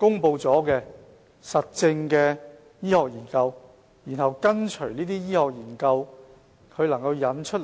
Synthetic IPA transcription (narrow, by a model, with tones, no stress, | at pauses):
kʊ˥ŋpo˧wt͡sɔː˨˥kɛː˧ | sɐ˨t̚t͡sɪ˧ŋkɛː˧ | jiː˥hɔː˨k̚jiː˨˩nkɐ˧w | jiː˨˩nɦɐ˨wkɐ˥nt͡ʃʰɵ˨˩niː˥t̪iː˥jiː˥hɔː˨k̚jiː˨˩nkɐ˧w | kʰɵ˨˧ɥlɐ˨˩ŋkɐ˧wjɐ˨˥nt͡ʃʰt̚l